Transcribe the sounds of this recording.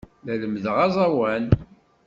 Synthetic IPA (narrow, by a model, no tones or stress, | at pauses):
læləmðʁɑzˤɑwæn